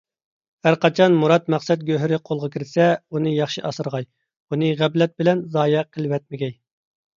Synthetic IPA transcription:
hæɾqɑt͡ʃʰɑnmuɾɑt̪̚mæqsɛt̪̚ɡʲøɦɾɪqʰolˠʁəkʲʰɪɾɪsɛunɨjɑχʃiʔɑsɨɾʁɑj | unɨʁæblɛt̪̚bɪlɛnzɑːjɛqʰəlˠwɛt̪̚mɪɡʲɛj

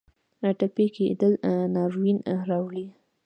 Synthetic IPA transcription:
ʈapeked̪əlnɑɾwinɾɑwli

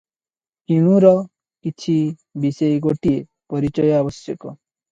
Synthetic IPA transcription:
kiɽ̃ũɾɔ | kit͡ʃʰi | bisɔjɡoʈie | pɔɾit͡ʃɔjɔabɔsjɔkɔ

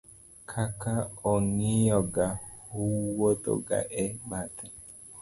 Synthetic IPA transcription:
kʰakaɔŋijɔɡahuwodo̰ɡa̰ʔɛbat̪a

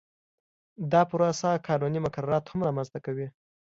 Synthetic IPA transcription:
d̪ɑpuɾasakʰɑnunimʊkaɾɑɾɑt̪hamɾɑmanzt̪akawi

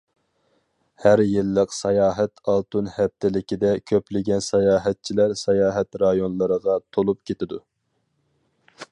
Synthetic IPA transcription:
hæɾjɨlːəqsɑjɑːɦɛt̪ʰɑlˠt̪unhɛp̚t̪ʰɪlɪkʲid̪ɛkʲʰøplɪɡʲɛnsɑjɑːɦɛt̪̚t͡ʃʰilæɾsɑjɑːɦɛt̪ɾɑjonlˠəɾəʁɑt̪ʰolˠup̚kʲʰet̪ɪd̪u

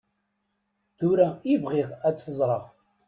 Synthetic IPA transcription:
θʊɾæɪvʁiʁæd̪θəzˤɾˤəʁ

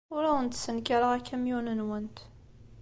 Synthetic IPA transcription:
ʊɾæwənt̪sənkaɾəʁækːæmjunənwənt̪

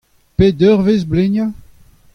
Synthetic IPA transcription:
ped̪œʁvezbleɲja

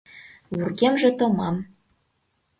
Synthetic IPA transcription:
βyrɣʲemʒĕt̪omɑm

